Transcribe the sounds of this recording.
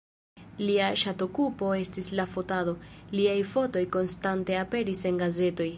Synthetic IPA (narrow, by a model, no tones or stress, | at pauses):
liaʃato̞kupo̞e̞stislafo̞taðo̞liajfo̞to̞jko̞nstante̞ape̞ɾise̞ŋɡaze̞to̞j